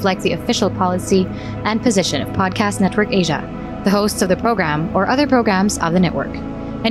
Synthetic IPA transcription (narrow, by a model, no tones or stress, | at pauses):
flaɪk̚t̪̚ðiɨfɪʃl̩ˠpʰɑlˠəsi | ʔɨ̃npʰɨzɪʃɨ̃nʌ̰v̥pʰɑd̚kʰæstⁿnɛt̚wə˞keɪʒɨ̰ | ðɨɦoʊstsʌvðɨpʰɹ̥oʊɡɹæ̃mə˞ʔʌðə˞pʰɹ̥oʊɡɹæ̃mzʌ̰vðɨnɛʔwə̰˞k | ɨ̃n